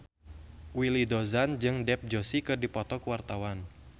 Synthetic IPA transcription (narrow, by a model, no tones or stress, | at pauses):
wilidozand͡ʒɨŋdɛp̚d͡ʒosikɨrdipɔt̪ɔkəwart̪awan